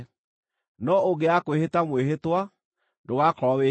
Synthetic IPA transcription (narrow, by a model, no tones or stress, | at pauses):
nɔoɡeakwehetamweɦetwa | doɣakɔβe